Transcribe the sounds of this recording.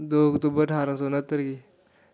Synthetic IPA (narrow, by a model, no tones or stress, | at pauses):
d̪oəkt̪ubəɾʈʰaːɾãs̬onət̪ːəɾɡi